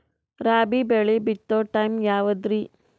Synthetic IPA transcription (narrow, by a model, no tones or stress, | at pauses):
ɾaːbibeɭibit̪ːoʈɐjmjaːʋɐd̪ɾi